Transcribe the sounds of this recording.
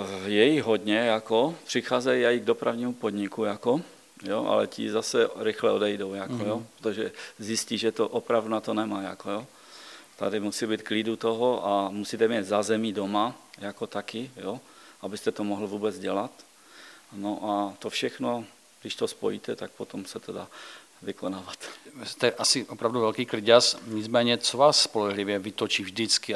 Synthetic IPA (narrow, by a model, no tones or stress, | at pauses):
jɛjiɣɦod̪ɲɛjakopr̥ɪxaːzɛjiajiɡ̚dopɾavɲiːmupod̪ɲɪkujako | jo̰ʔa̰lɛ̰cɪ̰zasɛɾɪxlɛodɛjdowjakkojopɾot̪oʒɛzjɪsciʒɛt̪oʔopɾavdunat̪onɛmaːja̰kojo | t̪a̰dɪmusiːbiːt̪klidut̪oɦoʔamusiːt̪ɛmjɛt̪zazɛmidomajakot̪akɪjoʔabɪst̪ɛt̪omoɦl̩vuːbɛd͡zɟɛlat̪ | noʔat̪ofʃɛxno | ɡdɪʃt̪ospo̰jit̪ɛt̪ak̚pot̪omsɛt̪odaː | vɪkonaːvat̪ist̪ɛʔasiʔɔpɾavduvɛlkiːkliɟasɲid͡zmɛːɲɛt͡sɔʋaːsːpɔlɛɦliʋjɛvit̪ɔt͡ʃiːvʒdit͡ski